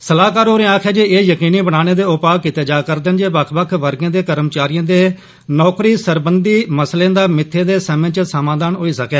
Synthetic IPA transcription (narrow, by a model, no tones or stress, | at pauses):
səlaːkaːɾoːɾẽːaːkʰɛːd͡ʒeːʔeːjəkiːniːbəɽaːneːd̪eːʊpaːkiːt̪eːd͡ʒaːkəɾd̪ənd͡ʒeːbəkʰbəkʰʋəɾɡãːd̪eːkəɾəmt͡ʃaːɾijãːd̪eː | nɔːkɾiːsəɾbənd̪iːməslẽːd̪aːmɪt̪ʰːẽːd̪eːsɛːmẽːt͡ʃəsəmãːd̪aːnɦoːiːsəkɛː